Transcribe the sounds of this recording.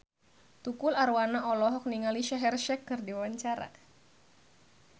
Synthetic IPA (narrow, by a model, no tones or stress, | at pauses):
t̪ukʊlarwanaʔɔlɔɦɔk̚niŋaliʃaɦɛrʃɛkːɨrdiwawaɲt͡ʃaɾa̰